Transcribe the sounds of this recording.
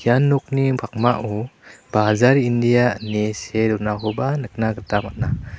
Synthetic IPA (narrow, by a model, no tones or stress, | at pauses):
kʰianːuk̚nibʱak̚maʔub̥azaɾindijaneseɾunaɦɔbanɯk̚naɡətamat̚na